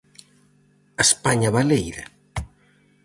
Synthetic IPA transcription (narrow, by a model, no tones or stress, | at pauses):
ɐspaɲɐβalejɾɐ